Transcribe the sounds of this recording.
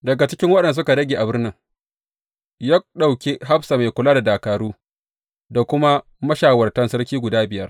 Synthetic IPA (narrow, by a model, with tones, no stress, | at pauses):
dɐ˨ɡa˨t͡ʃɪ˦kʲɪ˦ŋwɐ˦ɗɛ˨n˨a˨s̬ʊ˦ka˨dɐ˦ɡʲeː˨ʔa˨bʊ˦rnɪ˦ŋ | jaː˦ɗa˨wkʲe˦ɦa˦bsa˨ma˨jkʷʊ˨laː˦da˨daː˨kaː˨ɾuː˦ | da˨kʷʊ˦ma˦ | mɐ˦ʃaː˨wɐ˨rtɐ˦nsɐ˦rkʲiː˦ɡʷʊ˨daː˦bɪ˨jɐ˦r